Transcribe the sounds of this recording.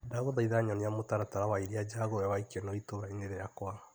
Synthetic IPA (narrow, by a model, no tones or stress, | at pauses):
daɣoðaiðaɲɔneamotaɾataɾawaiɾiad͡ʒaɣowɛwaikenɔitoβaeneɾɛjakwaa